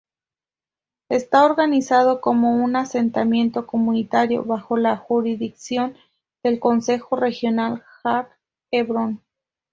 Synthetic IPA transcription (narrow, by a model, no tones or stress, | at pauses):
e̞st̪aoɾɣanisað̞o̞ko̞mo̞unase̞nt̪amjẽ̞nt̪o̞ko̞munit̪aɾjo̞̰βaxo̞laxuɾiðiksjo̞n | d̪e̞lko̞nse̞xo̞re̞xjo̞nalxap | eβɾon